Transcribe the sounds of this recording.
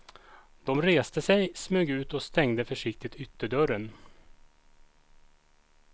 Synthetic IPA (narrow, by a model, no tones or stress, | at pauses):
d̪̥ɔmɾeːst̪əsɛjsmøːɡʉ̟ːt̪ɔst̪ɛŋd̪əfœʂɪk̚t̪ɪt̪ʰʏt̪ːəɖœɾən